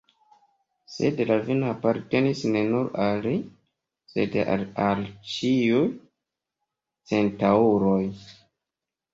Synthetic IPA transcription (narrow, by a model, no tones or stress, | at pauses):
se̞̰dlavinoapaɾte̞nisne̞nuɾali | sḛdalt͡ʃiuj | t͡se̞ntauɾoj